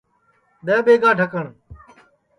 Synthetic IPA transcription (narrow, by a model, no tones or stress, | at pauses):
ɗẽːɓeːɡãːʈəkəɳ